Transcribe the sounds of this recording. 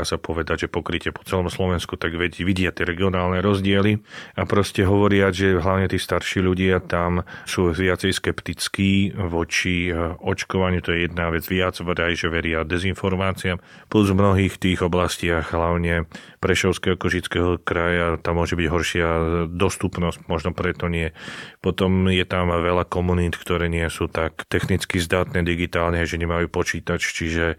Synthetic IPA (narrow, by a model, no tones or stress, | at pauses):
asapɔʋɛd̪aɟʒɛpɔkɾicɪɛpɔ̥t͡sɛlɔmslɔʋɛnskut̪aɡʋɛʋiɟɪat̪ɪɛɾɛɡiɔnaːlnɛɾɔzɟɪɛliapɾɔscɛɦɔʋɔɾɪad͡zʒɛɦlaʊɲɛt̪iːst̪aɾʃiːʎuɟɪat̪amsuːʋɪat͡sɛjskɛpt̪it͡skiːʋɔt͡ʃiɔt͡ʃkɔʋaɲut̪ɔjɛjɛd̪̚naʋɛd͡zʋɪad͡zvd̪ajʒɛʋɛɾɪad̪ɛzinfɔɾmaːt͡siam | pluzvmnɔɦiːxt̪iːɣɔblascɪaɣɦlaʊɲɛ | pɾɛʃɔʊskɛɦɔkɔʒit͡skɛɦɔkɾajat̪amːʊɔʒɛbiɟɦɔɾʃɪad̪ɔst̪upnɔscmɔʒnɔpɾɛt̪ɔɲɪɛpɔt̪ɔmjɛt̪amʋɛʎakɔmuniːt̪kt̪ɔɾɛːɲɪɛsuːt̪akt̪ɛxnit͡skizd̪aːt̪nɛd̪iɡit̪aːlnɛaʒɛɲɛmajupɔt͡ʃiːt̪at͡ʃt͡ʃiʒɛ